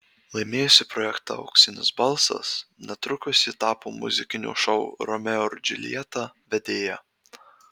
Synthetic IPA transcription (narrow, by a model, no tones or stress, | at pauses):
lˠɐɪmʲeːjʊsʲɪpɾɔjɛkt̪ɑ̰ɐ̰ʊksʲɪnʲɪ̰sbɐlˠsɐ̰snʲɛt̪ɾʊkʊsʲiːt̪ɑːpoːmʊ̰zʲɪkʲɪnʲṵːʃɐʊɾɔmʲɛʊɾd͡ʒʲɪ̰lʲḭɛt̪ɑʋʲɛd̪ʲeːjɛ